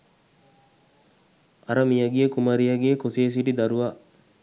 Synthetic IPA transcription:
ɐɾɐmijɐɡiekumɐɾijɐɡiekoseːs̬iʈid̪ɐɾuʋa

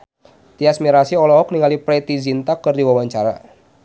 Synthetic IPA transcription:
t̪iasmiɾasiɔlɔɦɔk̚niŋalipɾɛt̪izint̪akɨrdiwawaɲt͡ʃaɾa̰

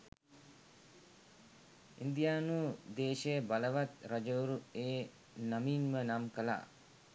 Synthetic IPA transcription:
ind̪ijaːnuːd̪eːʃəjəbaləʋat̪ɾad͡ʒəuɾueː | namiːnmənamkəla̰ː

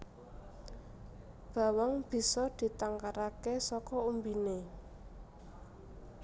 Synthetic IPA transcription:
b̥a̤wəŋb̥i̤sɔd̪̥i̤t̪aŋkaɾakesɔkɔumbine

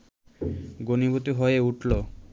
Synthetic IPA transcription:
ɡonibot̪iɦoeeuʈʰlo

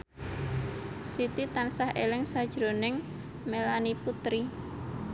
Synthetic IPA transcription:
sit̪it̪ansahʔelɪŋsad̥ʒ̥ɾonɪŋ | melaniput̪ɾi

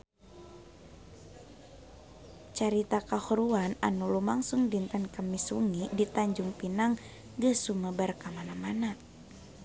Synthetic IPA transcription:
t͡ʃaɾit̪akahuɾuana̰nulumaŋsuŋdint̪ənkəmisuŋidit̪aɲd͡ʒuŋpinaŋ | ɡəsuməbərkamanamana

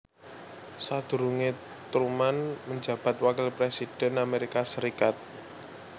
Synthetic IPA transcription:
sad̪̥ṳɾuŋe | t̪ɾumanməɲd͡ʒä̤b̥a̤t̪̚wakɪlpɾesid̥ɛ̤nameɾikasəɾikat̪̚

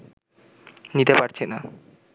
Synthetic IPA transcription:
nit̪epaɾt͡ɕʰena

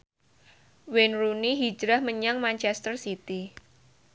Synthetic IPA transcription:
wenruniɦi̥d͡ʒɾahməɲaŋmant͡ʃɛst̪ərsit̪i

